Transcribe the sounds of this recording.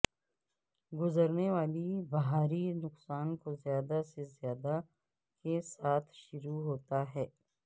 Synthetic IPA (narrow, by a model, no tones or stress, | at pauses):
ɡʊzəɾneʋaːlibɐɦaːɾinʊqsaːnkozjaːd̪asezjaːd̪a | kesaːt̪ʰʃʊɾuɦoːt̪aɦɛː